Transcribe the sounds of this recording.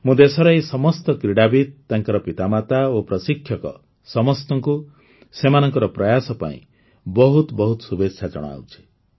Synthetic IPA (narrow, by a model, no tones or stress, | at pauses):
mũd̪esɔɾɔesɔmɔst̪ɔkɾiɽabid̪̚t̪ːaŋkɔɾɔpit̪amat̪aopɾɔsikʰjɔkɔ̰ | sɔmɔst̪ɔŋku | semanɔŋkɔɾɔpɾɔjasɔpa̰ḭ̃ | bɔɦut̪bɔɦut̪ɔ̥subetʃʰad͡ʒɔ̰ɽ̃a̰wt͡ʃʰi̥